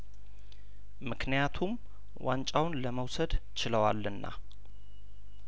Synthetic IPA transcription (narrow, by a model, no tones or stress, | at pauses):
mɨknijat̪ʰum | want͡ʃʼawnləməwsəd̪t͡ʃɪləwa̰lːɨnːa̰